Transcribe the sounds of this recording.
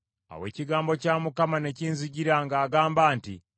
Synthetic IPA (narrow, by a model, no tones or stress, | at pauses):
a̰we̞̰ːciɡaːmbo̞caːmukamane̞ciːnziɟiɾaŋɡaːɡaːmbaːntḭ